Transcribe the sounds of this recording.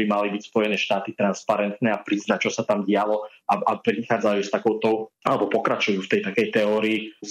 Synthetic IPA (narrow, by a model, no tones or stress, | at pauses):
bimalibicspɔjɛnɛːʃt̪aːt̪it̪ɾanspaɾɛnt̪nɛapɾiznac̚t͡ʃɔsat̪amɟɪalɔ | ʔaʔapɾixaːd͡zajuːst̪akɔʊt̪ɔʊalɛbɔpɔkɾat͡ʃujuːft̪ɛjt̪akɛjt̪ɛɔːɾiː